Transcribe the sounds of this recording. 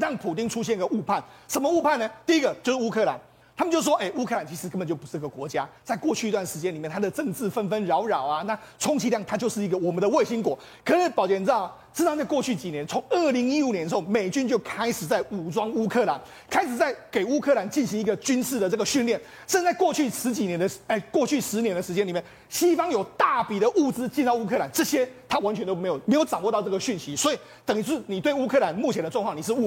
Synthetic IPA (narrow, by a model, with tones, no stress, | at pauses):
ɻɑ˥˩ŋpʰu˨˩t̪i˥ŋʈ͡ʂʰu˥ɕ̬jɛ˥˧n˥ɡə˨u˥˧pʰa˥˩nʂə˧˥nmə˧u˥˧pʰa˥˩nːə˩t̪i˥˩˧i˦˥ɡə˨t͡ɕjo˥˧ʊʂɻ̩˥˩u˥kʰɤ˥˩la̰˧˦n | t̪ʰa˥mə˨t͡ɕo˥˧ʊ˧˩wɔ˥ʔe˥˩ɪu˥kʰɤ˥˩la˧˦nt͡ɕʰi˧˥ʂɻ̩˧kə˥nbə˨˩t͡ɕo˥˩pu˧˥ʂ̩˥˩i˥ɡə˩kwɔ˧˥t͡ɕja˥t͡sa˥˧ɪkwɔ˥˧t͡ɕʰy˥˩˧t̪wa˥˩nʂɻ̩˧˥t͡ɕjɛ˥nli˨mjnt̪ʰa˥d̪ə˨ʈ͡ʂɤ˥˧ŋt͡sɹ̩˥˩fə˦˥nfə˥nɻɑ˧˥ʊɻɑ˨˩ʊa˨na˥˩ | t͡sʰʊ˥ŋt͡ɕʰi˧˥ljɑ˥˩ŋt̪ʰa˥t͡ɕjo˥˧ʊʂɻ̩˥˩i˧˥ɡə˨wɔ˨˩mə˦nd̪ə˧we˥˩ɪɕi˥ŋkwɔ˨˩˦ | kʰɤ˧˦ʂi˥pɑ˨˩t͡ɕjɛ˥˩n̩˨˧˥ɑ˥˩ʂ̩˥˧ɑ˥˧t͡sa˥˧ɪkwɔ˥˧t͡ɕʰy˥˩t͡ɕi˨njɛ˧˦nt͡sʰo˧˦ŋə˥˩li˧˥ŋi˥u˨˩njɛ˧˦nʂxo˥˩ʊme˨˩ɪt͡ɕy˦˥nt͡ɕjo˥˩ʊkʰa˥ɪʂɻ̩˨˩t͡sa˥˩ɪu˨˩ʈ͡ʂwɑ˥ŋu˥kʰɤ˥˩la˧˦n | kʰa˥ɪʂɻ̩˨˩t͡sa˥˩ɪke˨˩ɪu˥kʰɤ˥˩la˧˥nt͡ɕi˥˩nɕi˧˥ŋi˧˥ɡə˨˩t͡ɕy˥nʂ̩˥˩d̪ə˩ʈ͡ʂɤ˥˩ɡə˩ɕy˥˧nljɛ˥˩n | ʂə˥˧t͡sa˥˧ɪkwɔ˥˧t͡ɕʰy˥˩ʂɻ̩˧˥t͡ɕi˨˩njɛ˧˥nd̪ə˧ə˥˧˩kwɔ˥˧t͡ɕʰy˥˩ʂɻ̩˧˥njɛ˧˥nd̪ə˨ʂɻ̩˧t͡ɕjɛ˥ni˨˩mjɛ˥˩n | ɕi˥fɑ˥ŋjo˨˩ʊt̪a˥˩pi˨˩ɾə˦ʔu˥˩t͡sɹ̩˥t͡ɕi˥˧n˥˧ʊu˥kʰɤ˥˩la˨˧˦nʈ͡ʂɤ˥˩ɕjɛ˥t̪ʰa˥wa˧˦nt͡ɕʰɛ˧˦nt̪o˥ʊme˧˥ɪjo˨˩me˧˥ɪjo˧˥ʊʈ͡ʂɑ˨˩ŋwɔ˥˧ɑ˧ʊʈ͡ʂɤ˥˩ə˩ɕy˥˩nɕi˧˦˥swɔ˧˥i˨˩ | t̪ə˨˩ŋi˧˥u˥˩ni˨˩t̪we˥˩ɪu˥kʰɤ˥˧˩la˧˦nmu˥˩t͡ɕʰɛ˧˥nd̪ə˧ʈ͡ʂwɑ˥˧ŋkʰɑ˥˩ŋni˨˩ʂ̬̩˥˧u˥˧